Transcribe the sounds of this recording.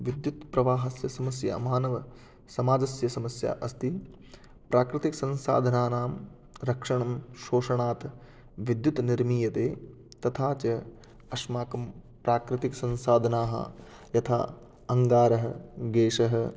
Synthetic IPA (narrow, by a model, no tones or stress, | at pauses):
ʋid̪jut̪pɾɐʋaːɦɐsjɐsɐmɐsjɐ̰ɐmaːnɐʋɐ | sɐmaːd͡ʒɐsjɐsɐmɐsja̰ːʔɐst̪i | pɾaːkɾɪt̪iksɐ̃nsa̰ːd̪ʱɐnaːnaːm | ɾɐkʂɐɳɐmʃoːʂɐɳaːt̪ | ʋid̪jut̪niɾmiːjɐt̪eː | t̪ɐt̪ʰaːt͡ʃɐ | ɐʃmaːkɐm | pɾaːkɾɪt̪iksɐ̃nsaːd̪ʱɐnaːɦɐ̰ | jɐt̪ʰa̰ː | ɐŋɡaːɾɐɦɐ̆ɡeːʃɐɦɐ